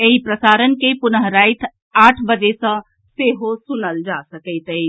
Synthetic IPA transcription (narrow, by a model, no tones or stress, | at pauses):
eɦipɾəsaɾənkepʊnəɦɾaɪt̪ʰ | aʈʰbəd͡ʒesə̃ | seɦosunəld͡ʒasəkəɪt̪əɪ